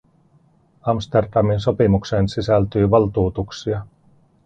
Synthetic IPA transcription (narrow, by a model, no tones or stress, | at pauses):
ɑmst̪erdɑminso̞pimuksensisælt̪yːʋɑlt̪uːt̪uksiɑ